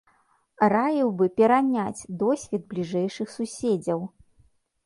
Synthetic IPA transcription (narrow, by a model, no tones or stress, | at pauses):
ɾajiwbɨpʲɛɾanʲat͡sʲd̪ɔsʲvʲɛd̪̚blʲiʐɛjʂɨxsusʲed͡zʲɐw